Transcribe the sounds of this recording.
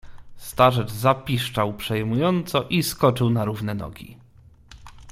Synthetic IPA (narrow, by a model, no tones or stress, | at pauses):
st̪aʐɛʐzapʲiʂt͡ʂawpʂɛjmujɔnt̪sɔʔiskɔt͡ʂɘwnaɾuvnɛnɔ̰ɡʲḭ